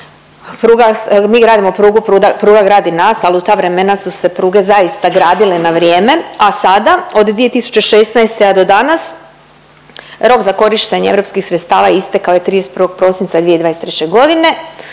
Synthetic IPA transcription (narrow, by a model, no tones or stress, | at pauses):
pɾuːɡamiːɡɾaːd̪imopɾuːɡupɾuːd̪apɾuːɡaɡɾaːd̪inaːsaliut̪aːʋɾe̞menasuse̞pɾuːɡe̞zaist̪aɡɾaːd̪ilenaʋɾjeːme̞asad̪ao̞d̪d̪ʋie̞t̪isu̥t͡ɕe̞ʃesnajst̪ead̪o̞d̪anas | ɾo̞kzako̞ɾiʃt̪eɲeḛvɾo̞pskixsɾet̪st̪aːʋaist̪ekaojet̪ɾiːd̪est̪pɾrɾʋo̞ɡ̚pɾo̞sint̪sad̪ʋijed̪ʋaːest̪ɾet͡ɕe̞ɡo̞d̪ine̞